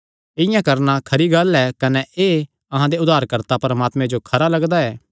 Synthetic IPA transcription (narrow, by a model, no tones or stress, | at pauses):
ɪjãkɐɾnakʰɐɾiɡɐlɛkɐnɛeː | ɐɦãd̪eʊd̪ʱaːɾkɐɾt̪apɾɐmaːt̪mẽd͡ʒokʰɐɾalɐɡd̪aɛː